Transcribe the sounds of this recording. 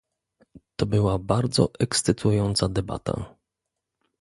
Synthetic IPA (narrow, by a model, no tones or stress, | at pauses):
t̪ɔbɘwabaɾd̪zɔ̰ʔɛkst̪sɘt̪ʰujɔnt̪sad̪ɛba̰t̪ʰa̰